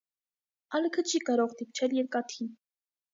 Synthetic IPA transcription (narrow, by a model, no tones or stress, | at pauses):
ɑləkʰət͡ʃʰikɑɾɔʁd̪ip̚t͡ʃʰɛljɛɾkɑt̪ʰin